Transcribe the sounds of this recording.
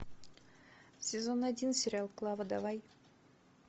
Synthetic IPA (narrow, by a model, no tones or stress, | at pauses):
sʲezonːad̪ʲinsʲeɾʲalˠklˠɑvəd̪ɑvɑj